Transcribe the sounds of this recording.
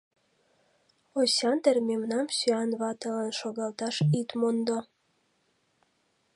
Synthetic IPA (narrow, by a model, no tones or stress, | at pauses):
osʲɑnt̪ermemnɑmsyɑnβɑt̪ələnʃoɣɑlt̪ɑʃit̪mond̪o